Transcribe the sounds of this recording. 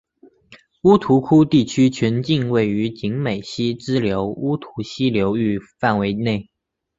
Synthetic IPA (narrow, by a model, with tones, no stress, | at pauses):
u˥t̪ʰu˧˥kʰu˥t̪i˥˩t͡ɕʰy˥t͡ɕʰɥɛ˧˥nt͡ɕi˥˧ŋwe˥˩ɪy˧˥t͡ɕi˧˥ŋme˨˩ɪɕi˥ʈ͡ʂɻ̩˥ljo˧˥ʊu˥t̪ʰu˧˥ɕi˥ljo˧˥ʊy˥˧fa˥˩nwe˧˥ɪne˥˩ɪ